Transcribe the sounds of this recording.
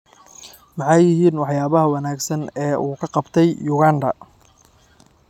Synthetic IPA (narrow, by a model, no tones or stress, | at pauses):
mɑħɑjːɪɦiːnwɑħjaːβɐɦɐwɑnaːɡsɐnɛːʔuːkʰɐqɑbt̪ʰɛjjʊɣaːndɐ̰